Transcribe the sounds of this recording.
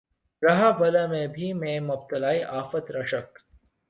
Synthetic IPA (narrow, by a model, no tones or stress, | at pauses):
ɾɐɦabɐlamẽbʱimẽːmʊb̚t̪ɐlaːiʔaːfət̪ɾɐʃək